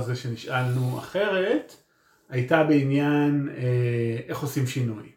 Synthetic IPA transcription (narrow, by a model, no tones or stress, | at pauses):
zeʃeniʃʔalnua̰χe̞ʁet | ajtabe̞injaneʔe̞χo̞simʃinuj